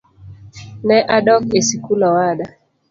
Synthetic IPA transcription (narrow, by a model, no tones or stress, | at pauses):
nɛʔaɗɔkesikulawaɗa